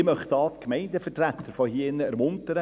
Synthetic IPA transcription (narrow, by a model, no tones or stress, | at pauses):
mœχtɑːt̪kmɛɪndəfətræt̪ʰːəɾfɔhiɪnːəɛɾmʊntəɾə